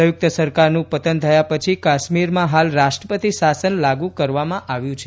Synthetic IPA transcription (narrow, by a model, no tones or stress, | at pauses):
əjʊk̚t̪əsəɾkaɾnũpət̪ənt̪ʰəjapət͡ʃʰikaʃmiɾmãɦalɾaʃʈɾəpət̪isasənlaɡũkəɾʋamãʔaʋjũt͡ʃʰe